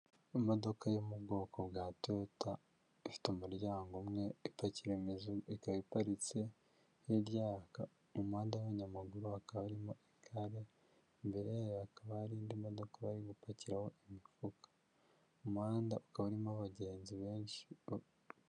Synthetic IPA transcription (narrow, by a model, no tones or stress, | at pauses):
imo̞do̞kajomubɡo̞ːko̞bɡaːtota | ifi̥temuɾjaːŋɡomŋe̞ipaciɾemizuikaβipaɾit͡se̞ | jiɾɟaka | umhaːndaweɲamaɡuɾuakaβaɾimo̞ʔiŋkʰaɾe̞ | mbe̞ɾeakaβaɾiːndimo̞do̞kaβaɾiɡupaciɾaho̞ʔimifukḁ | umhaːndaʔukaβaɾimoaβaɟe̞ːnziβe̞ːnʃi